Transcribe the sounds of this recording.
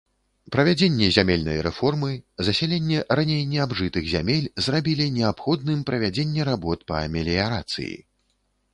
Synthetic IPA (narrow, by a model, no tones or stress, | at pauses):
pɾɐvʲad͡zʲenʲːɛzʲamʲelʲnɐ̰jɾɛ̰fɔrmɨzɐsʲɛlʲenʲːɛranʲejnʲɛabʐɨt̪ɨɣzʲamʲelʲzrabʲilʲinʲɛapxɔd̪nɨmpɾɐvʲad͡zʲenʲːɛɾabɔt̪pɐɐmʲɛlʲijaɾat̪sɨ̰jḭ